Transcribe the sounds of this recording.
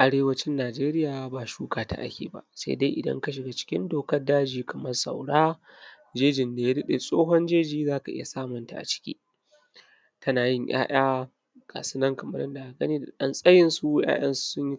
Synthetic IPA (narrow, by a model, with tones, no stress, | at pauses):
ʔa˨ɽeː˦wɐ˦t͡ʃɪ˦nːaː˨d͡ʒeː˦ɾɪ˦jaː˨baː˨ʃuː˦kaː˨ta̰˨ʔa̰˦kʲḛː˨ba̰˨ʔsḛ˦da̰˦jʔɪ˨dɐ̰˦ŋka˦ʃ̬ɪ˨ɡa˨t͡ʃɪ̥˦kʲɪ˦ndoː˨kɐ˦rdaː˦d͡ʒiː˨kʰɐ˨mɐ˦rsa˨wɽaː˦ | d͡ʒeː˦d͡ʒɪ˨nda˨ja˦dɐ˦ɗeː˨sʼoː˦ɦɔ˦nd͡ʒeː˦d͡ʒiː˨zaː˦ka˨ʔɪ̰˦ja˨saː˦mɔ˨nta̰˨ʔa̰˨t͡ʃɪ̥˦kʲḭː˦ | tʰɐ˦naː˨jɪ˦˨ɲjʔa̰ː˦j̰aː˦ | kʰa̰˨sʊ˦nɐ˦ŋkɐ˨mɐ˦ɾɪ˦nda˨a˨ɡɐ˦niː˦da˨ɗɐ˦nsʼɐ˦jɪ˨nsu˦ja̰ː˦j̰ɐ̰˦nsu̥˨sʊ˦ɲji˦